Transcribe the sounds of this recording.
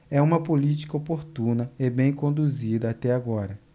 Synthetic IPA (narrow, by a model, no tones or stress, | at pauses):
ɛũmɐpolit͡ʃi̥kɐopoɾt̪ũnɐebẽj̃kõnd̪uzid̪ɐat̪ɛaɡɔɾɐ